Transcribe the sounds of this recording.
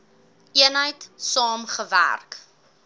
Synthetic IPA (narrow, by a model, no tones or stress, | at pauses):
ʔiənɦəjtsɑːmχəvæ̰rk